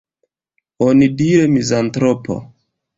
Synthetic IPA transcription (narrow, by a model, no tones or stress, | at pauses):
onidiɾemizantɾopo̞̰